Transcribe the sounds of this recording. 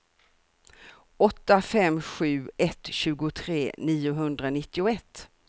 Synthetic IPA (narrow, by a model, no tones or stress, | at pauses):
ɔt̪ːafɛmːɧʉ̟ːɛt̪ɕʉ̟ːɡʊt̪ʰɾeːniːʊɦɵnd̪ɾanɪt̪ːɪʊɛt̪ː